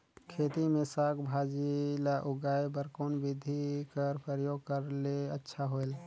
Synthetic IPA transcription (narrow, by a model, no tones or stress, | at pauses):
kʰeːt̪imẽsaːɡʰbʱad͡ʒilaʔʊɡaːebəɾkonbɪd̪ʱikəɾpʰɾəɾjoːɡ̚kəɾleətːʃʰaɦoel